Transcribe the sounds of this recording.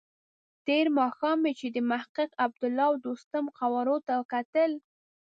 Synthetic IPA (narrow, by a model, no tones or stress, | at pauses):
t̪eɾmɑxɑmet͡ʃed̪əmahqɪqab̚d̪ʊlːɑwd̪ost̪amqawɑɾot̪akat̪əl